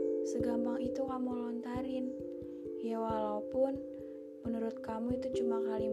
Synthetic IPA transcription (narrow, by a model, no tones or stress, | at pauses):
səɡambaŋit̪ukamulɔnt̪aɾɪn | jawalaupʊn | mənuɾʊt̪̚kamuit̪ut͡ʃumakali